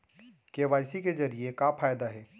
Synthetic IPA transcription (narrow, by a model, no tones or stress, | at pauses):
keʋajsiked͡ʒəɾiekapʰaːjd̪aɦɛː